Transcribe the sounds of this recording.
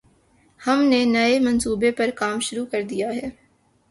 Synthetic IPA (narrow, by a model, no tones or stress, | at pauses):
hɐmnenɐemɐ̃nsuːbepɐɾkaːmʃʊɾukɐɾd̪ijaɦɛː